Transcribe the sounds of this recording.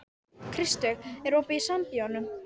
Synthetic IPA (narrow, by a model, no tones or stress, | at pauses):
kʰɾɪst̪œɣɛɾoːpɪisamt̪iɔnʏ